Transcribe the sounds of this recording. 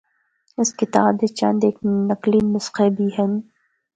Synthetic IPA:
ɪskɪt̪aːbet͡ʃɐ̰̃nd̪eːk̚nɐqliːmʊsqebʱiːɦɛ̃n

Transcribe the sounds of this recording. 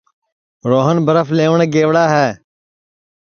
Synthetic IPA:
ɾoːɦənbəɾəfleːʋɳ̃ɡeːʋɽaːɦɛː

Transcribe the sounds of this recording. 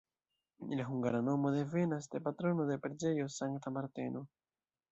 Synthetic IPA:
ḭlaɦuŋɡaɾanomoðevenasd̪epat̪ɾonoðepeɾd͡ʒejosaŋt̪amaɾt̪eno

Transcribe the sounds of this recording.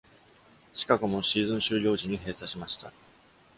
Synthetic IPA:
ɕi̥kakɯ̟mo̞ɕiːzɨ̃ɰ̃ɕɨːɾʲo̞ːʑiɲ̟iɦe̞ːsaɕimaɕi̥t̪a

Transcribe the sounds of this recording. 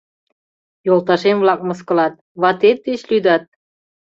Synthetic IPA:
jolˠt̪ɑʃemvlɑk̚məskə̆lɑt̪̚βɑt̪et̪̚d̪et͡ɕlyd̪ɑt̪̚

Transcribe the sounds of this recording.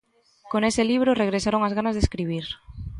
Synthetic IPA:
konesɪliβ̞ɾoreɣɾesaɾoŋazɣanazðeskɾiβ̞iɾ

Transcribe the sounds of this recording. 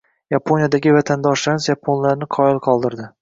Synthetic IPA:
japʰonijad̪aɡʲɪvat̪ʰand̪ɒʃlansjapʰonlaɾnɪqʰɒjɪlˠqʰɒlˠd̪ɪɾd̪ɪ

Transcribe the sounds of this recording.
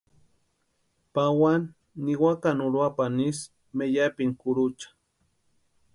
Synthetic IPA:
pawanː | iwakanuɾwapanis | mejapiŋkuɾut͡ʃḁ

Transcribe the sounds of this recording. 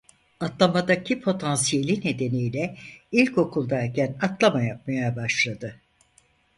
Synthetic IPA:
at̪lˠamad̪acʰipʰo̞t̪ʰansije̞lʲine̞d̪e̞nijlʲɛilʲco̞kʰulˠd̪aɾcʰænat̪lˠamajap̚majabaʃlˠad̪ɯ

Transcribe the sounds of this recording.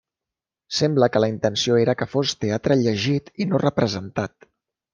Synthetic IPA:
sɛmbləkələint̪ənsioeɾəkəfost̪eat̪ɾəʎəʒit̪inorəpɾəzənt̪at̪

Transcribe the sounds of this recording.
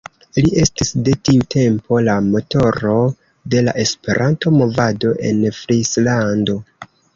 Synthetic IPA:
lie̞stisde̞tiutʰe̞mpo̞lamo̞to̞ɾo̞ | de̞la̰ʔe̞spe̞ɾʔanto̞mo̞vado̞ʔe̞̰nfɾislando̞

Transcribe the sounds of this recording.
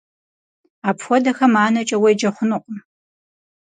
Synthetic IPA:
aːpxʷɔdɐxɐmaːnɐt͡ʃʼɐwejd͡ʒɐχʷʊnɨqʼ

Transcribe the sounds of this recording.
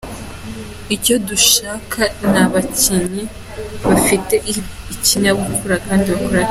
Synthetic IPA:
ico̞duʃaːkʰanaβaciɲi | βafite̞ | iciɲaɡukʰuɾakaːndiβakuɾa

